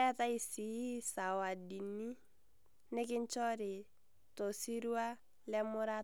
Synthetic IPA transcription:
ɛ˦ta˦i˨si˨˦i˦sa˨wa˨di˨nːi˦ | nɛ˦kɪ˦ɲt͡ʃɔ˦ɾɪ˨ | tɔ˨si˦ɾu˦a˦ | lɛ˦mʊ˦ɾa˦

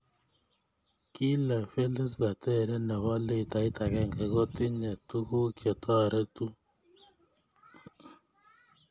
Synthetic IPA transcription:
ki˦lɛ˨fe˦le˦sda˨tɛ˦˨ɾɛ˦nɛ˨wa˦le˦i˨ta˨i˦tʰa˨ɡɛ˦˨ŋkɛ˨ɡo˦ti˦ŋɛ˨tu˦ko˦kɛ˨tʰɔ˦a˨ɾɛ˦tu˦

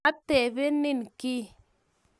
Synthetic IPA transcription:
a˦tɛ˨be˦ni˦˨nki˦

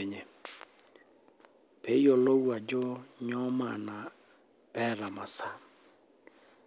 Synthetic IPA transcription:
e˨ɲe˨ | pe˦jo˨lo˦wa˨d͡ʒo˦ɲɔ˦ma˨na˨ | pɛ˦ɾa˨ma˨sa˨

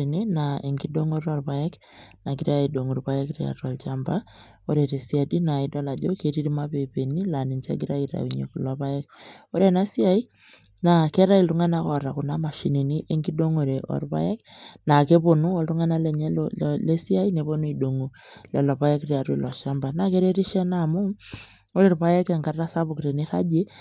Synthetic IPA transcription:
i˨ni˦na˨e˨ŋɡi˦do˦ŋo˦ɾɔ˨rpa˦jɛ˦k | na˨ɡiɾa˦i˨do˨ŋu˨ɾpa˦jɛ˦kria̰˨ɾɔ˨lt͡ʃa˦mba˦ | o˦ɾe˨te˨si˦a˨di˦na˨i˦dɔ˦la˨d͡ʒo˦ke˨ɾi˦ɾi˦ma˦pe˨pe˨ni˦la˨ni˨ɲt͡ʃa̰˦ɡi˦ɾa˦iɾa̰˨i˨ɲḛ˨klɔ˨pa˦ɛ˦k̚o˦ɾe˦na˦si˦a˦i˦ | na˨kɛ˦ɾa˦i˨ltu˦ŋa˦na˦kɔ˨ɾa˨ku˨na˦ma˨ʃi˨ni˨ni˦ʔe˦ŋɡi˦do˦ŋo˨ɾe˨ʔɔ̰˨rpa̰˦jɛ˦kna˨ke˦po˨nu˦ɔ˦ltu˦ŋa˦na˦lɛ˨ɲɛ˦llle˦si˦a˦i˦ne˨βo˦nu˦i˨do˨ŋu˨lɛ˨lɔ˨βa˦jɛ˦krja˨ɾwḭ˨lɔ˨ʃa˦mba˨na˨ke˦ɾe˦ɾi˦ʃɛ˦na˨mu˦m | o˦ɾe˨ɾpa˦ja˦ka˨ŋɡa˨ra˦sa˦bu˨kɾe˨ni˦ɾa̰˦d͡ʒe˦

